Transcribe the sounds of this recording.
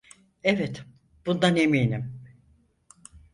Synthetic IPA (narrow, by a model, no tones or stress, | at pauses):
evɛt̪ | b̥und̪aneminim